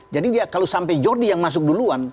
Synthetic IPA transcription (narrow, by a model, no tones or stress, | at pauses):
d͡ʒadidiakalosampɛjd͡ʒɔrdijaŋmas̬ʊk̚duluan